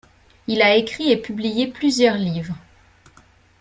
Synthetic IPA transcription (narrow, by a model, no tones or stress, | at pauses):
ilaekχiepyblijeplyzjœʁlivʁ